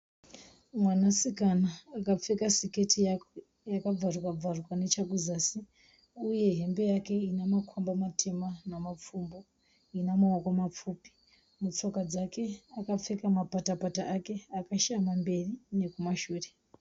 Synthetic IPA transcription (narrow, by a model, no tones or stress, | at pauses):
mwanasikanaːkap͡fe̞kasike̞tʰi | jakab͡varwab͡varwane̞t͡ʃakuzaːsi | uje̞ɦe̞mbe̞jake̞inamakʰwambamatʰe̞manamap͡fumbo̞ | inamawakwamap͡fuːpi̥ | mut͡so̞kad͡zakʰe̞akap͡fe̞kamapatapataʔake̞akaʃamambe̞rine̞kumaʃuːre̞